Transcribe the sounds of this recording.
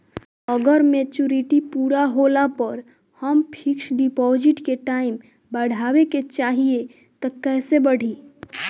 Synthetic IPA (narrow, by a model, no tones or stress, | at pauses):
əɡəɾmet͡ʃuɾiʈipuːɾaɦoːlapəɾ | həmpʰɪksɖipɔːd͡ʒɪʈkeʈaːɪm | bəɽ̤ʱaːweket͡ʃaːɦie | t̪ɔkɛːsebəɽ̤ʱi